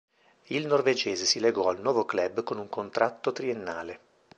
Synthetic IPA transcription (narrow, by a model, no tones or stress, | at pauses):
ilnorved͡ʒeːzesileɡɔalnwɔːvoklɛbkonuŋkont̪ɾʔat̪ːot̪ɾienːa̰ːle